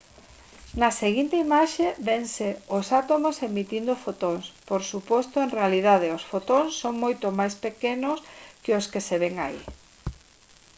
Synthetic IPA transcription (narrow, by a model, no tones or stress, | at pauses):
nɐseɣint̪eimaʃeβeŋseosat̪omosemit̪ind̪ofot̪oŋspoɾsupost̪oenrealiðað̞eosfot̪oŋsːoŋmojt̪omajspekenoskɪoskeseβeŋa̰ḭ